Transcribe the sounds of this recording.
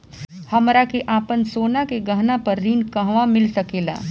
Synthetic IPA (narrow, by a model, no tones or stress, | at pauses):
hɐmɾakeʔaːpənsoːnakeɡɐɦnapɐɾːiːnkɐɦʋamɪlsɐkeːla̰ː